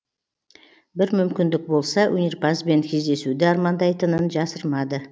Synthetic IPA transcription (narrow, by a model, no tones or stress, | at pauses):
bɪɾmʏmkʲɪnd̪ɪk̚bo̞lˠsɑwʔɵneɾpɑzbe̞ŋkʲʰe̞zd̪e̞sud̪ɪɑɾmɑnd̪ɑjt̪ənənʒɑsəɾmɑd̪ə